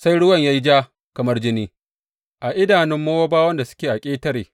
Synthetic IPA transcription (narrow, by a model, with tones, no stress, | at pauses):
sa˦jɽʊ˦wɐ˨ɲja˦ji˦d͡ʒaː˦ | kɐ˨mɐ˦rd͡ʒɪ˦niː˦ | ʔa˨ʔɪ˦daː˨nɪ˦mːoː˦woː˦baː˦wɐ˦nda˨sʊ̥˦kʲeː˨ʔa˨kʲʼeː˦tɐ˦ɾeː˨